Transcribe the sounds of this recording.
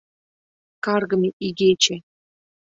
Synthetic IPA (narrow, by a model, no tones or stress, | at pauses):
kɑrɡɤ̆mʲeʔiɡʲet͡ɕĕ